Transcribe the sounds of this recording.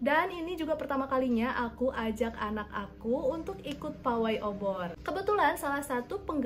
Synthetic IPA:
daninid͡ʒuɡapərt̪amakaliɲaʔakuʔad͡ʒakanakakuːnt̪ʊkikʊt̪̚pawajʔobɔrkəbət̪ulansalahsat̪upəŋɡ

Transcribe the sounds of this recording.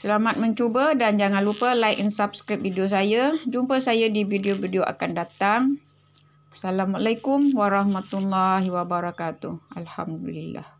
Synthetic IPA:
səlamat̪̚mə̃ɲt͡ʃubədand͡ʒaŋanlupəlajʔinsap̚skɾip̚vidios̬ajad͡ʒumpəsajadibideobideoʔa̰kandat̪aŋ | salamalajkumwaɾɑhmat̪ulːahwabaɾakat̪uhʔalha̰mdulilːa̰h

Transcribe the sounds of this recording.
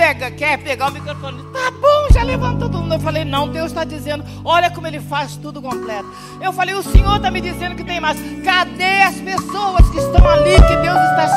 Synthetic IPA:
pɛɡɐkɛɾpeɡaʊmikɾofõnʊt̪abõʒalevɐ̃nt̪od̪mũd̪ewfalejnɐ̃w̃d̪ewst̪ad͡ʒizẽnd̪ʊ | ɔʎɐkõmʊelɪfast̪ud̪ʊkõmplɛt̪ʊ̥ | ewfalejʊsẽɲoɾt̪amɪd͡ʒizẽnd̪ʊkɪt̪ẽj̃majskad̪eɐspesowɐskɪʃt̪ɐ̃w̃alikɪd̪ewzɪʃt̪a

